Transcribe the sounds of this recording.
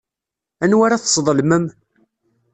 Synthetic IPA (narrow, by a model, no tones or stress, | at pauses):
ænwaɾaθsˤðˤəlməm